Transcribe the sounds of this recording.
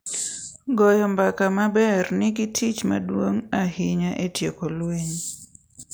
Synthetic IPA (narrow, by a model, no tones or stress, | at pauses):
ɡɔjɔmbakamabɛrnɪɡɪtʰit͡ʃma̰dwoŋaɦɪɲaʔetjekolweɲ